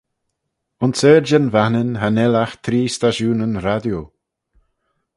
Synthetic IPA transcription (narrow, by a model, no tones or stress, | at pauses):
ʊnsɛɾd͡ʒənvanɪnɦanɛlaxt̪ʰɾiːst̪aʃuːnənɾad̪jo